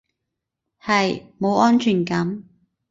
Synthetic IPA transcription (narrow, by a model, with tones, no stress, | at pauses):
hɐ˨jmo˨˧wʔɔː˥nt͡ʃʰyː˨˩nkɐ˨˥m